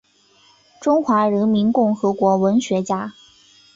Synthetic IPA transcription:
ʈ͡ʂʊ˥ŋxwa˧˥ɻə˧˥nmi˧˥nkʊ˥˩ŋxɤ˧˥kwɔ˧˥wə˧˥nɕɥɛ˧˥t͡ɕja˥

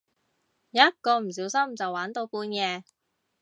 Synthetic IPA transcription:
jɐ˦˥t̚kɔː˧m̩˨˩s̬iː˨˥wsɐ˥mt͡sɐ˨waː˨˥nt̪o˨˧wpuː˧nkɛː˧

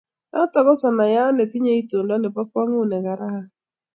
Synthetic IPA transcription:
nɔ˦tɔ˨ɡɔ˦sɔ˨na˨ja˦ɔ˦ne˨ti˦ɲe˦i˦to˨ndɔ˦ne˨pɔ˦kwɔ˦ŋu˦˨nɛ˨ɡa˨ɾa˦ha˦

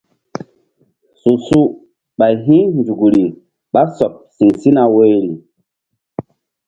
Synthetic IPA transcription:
su˨su˦ | ɓa˨jɦĩ˦nd͡zu˨ɡɾi˨ | ɓa˦so˨p̚si˨ŋsi˦na˨we˦jɾi˨

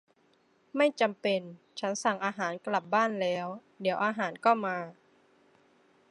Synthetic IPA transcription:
ma˥˩jt͡ɕa˧mpe˧n | t͡ɕʰa˦˥nsa˨˩ŋʔaː˧ɦaː˩˦nkla˨˩p̚baː˥˩nlɛː˦˥w | di˩˦wʔaː˧ɦaː˩˦nkɔː˥˩maː˧

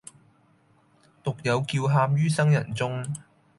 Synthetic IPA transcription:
t̪ʊ˨k̚jɐ˨˧wkiː˧wɦaː˧p̚jyː˥sɐ˥ŋjɐ̰˨˩nt͡sʊ˥ŋ

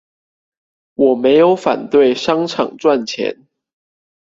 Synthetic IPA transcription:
wɔ˨˩me˧˥ɪjo˧˥ʊfa˨˩nt̪we˥˨ɪʂɑ˥ŋʈ͡ʂʰɑ̰˨˩ŋʈ͡ʂwa˥˨nt͡ɕʰjɛ̰˧˥n

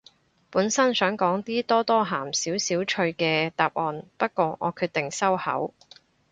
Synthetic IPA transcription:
puː˨˥nsɐ˥nsœː˨˥ŋkɔː˨˥ŋt̪iː˥t̪ɔː˥t̪ɔː˥ɦaː˨˩msiː˨˥wsiː˨˥wt͡ʃʰɵ˧ɥkɛː˧t̪aː˨p̚ʔɔː˨˧npɐ˥t̚kɔː˧ŋɔ̰ː˨˧kʰyː˧t̚t̪ɪ˨˩ŋsɐ˥whɐ̰˨˥w

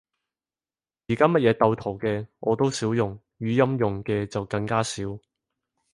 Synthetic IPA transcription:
jiː˨˩kaː˥mɐ˥t̚jɛː˨˧t̪ɐ˧wt̪ʰo˨˩wkɛː˧ŋʔɔː˨˧t̪o˥wsiː˨˥wjʊ˨ŋ | ɥyː˨˧jɐ˥mjʊ˨˩ŋkɛː˧t͡sɐ˨wkɐ˧ŋkaː˥siː˨˥w

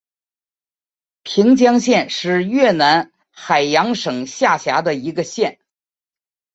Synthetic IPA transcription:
pʰi˧˥ŋt͡ɕjɑ˥ŋɕjɛ˥˧nʂɻ̩˥˧ɥɛ˥˩na˧˥n | xa˨˩ɪjɑ˧˥ŋʂɤ˨˩ŋɕja˥˩ɕja˧˥d̪ə˧i˧˥ɡə˧ɕjɛ˥˩n

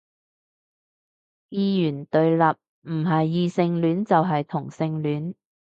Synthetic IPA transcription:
jiː˧jyː˨˩nt̪ɵ˨˧ɥlɐ˨p̚ | m̩˨˩ɦɐ˨jːiː˧sɪ˧ŋlyː˨˥nt͡sɐ˨wɦɐ˨jt̪ʰʊ˨˩ŋsɪ˧ŋlyː˨˥n

